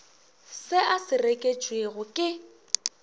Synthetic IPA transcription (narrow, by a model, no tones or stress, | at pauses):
sɪʔasɪrekʼet͡ʃʼweɣʊkʼɪ